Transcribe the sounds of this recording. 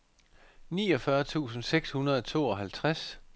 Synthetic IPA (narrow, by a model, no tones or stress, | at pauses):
niːɒ̽fɶɐt͡sʰṵːsn̩seɡ̥shunɐð̞ˠɒt͡sʰo̝̰ːɒ̽ɦælt͡sʰʁas